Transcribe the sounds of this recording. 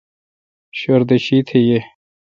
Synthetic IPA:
ɕoɾd̪eɕit̪ʰeje

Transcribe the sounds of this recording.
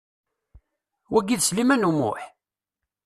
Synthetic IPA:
wæɡːiðslimænumʊ̰ħ

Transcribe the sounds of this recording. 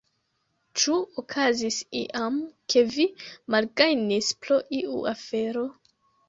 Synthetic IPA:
t͡ʃuokʰazisiʔamkʰe̞vimalɡajnispɾo̞ʔiʔṵafe̞ɾo̞

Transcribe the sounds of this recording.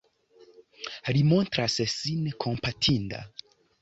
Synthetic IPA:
ɾimontɾassinkʰo̞mpatʰinda̰

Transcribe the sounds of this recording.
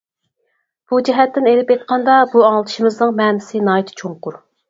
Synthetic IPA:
b̥ud͡ʒɛɦɛt̪ʰːɪnelɪpet̪̚qʰɑnd̪ɑbuɑŋlˠd̪ʰʃimɨznɨŋmɛːmɪsɪnɑːjit̪ʰɪ̥t͡ʃʰoŋqʊɾ

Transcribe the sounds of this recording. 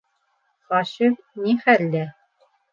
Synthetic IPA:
χɑɕif | niχælːæ

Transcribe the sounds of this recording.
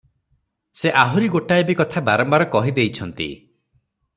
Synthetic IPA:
seʔaɦuɾiɡoʈaebikɔt̪ʰabaɾɔmbaɾɔkɔɦid̪ejt͡ʃʰɔnt̪ḭ

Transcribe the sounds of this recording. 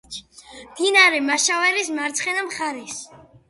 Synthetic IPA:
d̪̥inaɾɛmaʃavɛɾismaɾt̪sʰχɛnamχaɾis

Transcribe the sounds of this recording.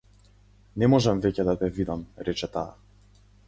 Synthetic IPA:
nɛmɔʒɛmvɛcɛd̪at̪ɛvid̪amɾɛt͡ʃɛt̪a̰ː

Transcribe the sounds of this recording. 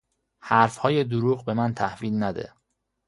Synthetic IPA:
hæɾfhɒːje̞d̪oɾuːɣbe̞mænt̪ʰæhviːlnæd̪ḛ

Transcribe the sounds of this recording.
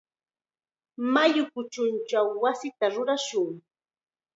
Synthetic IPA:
majʊkʊt͡ʃʊnt͡ʃawːasɪt̪aɾʊɾaʃʊŋ

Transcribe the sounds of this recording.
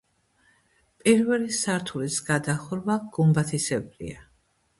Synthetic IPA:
pʼiɾvɛlisaɾt̪ʰulisɡ̥ad̪aχɾvaɡ̥umbat̪ʰisɛbɾḭa

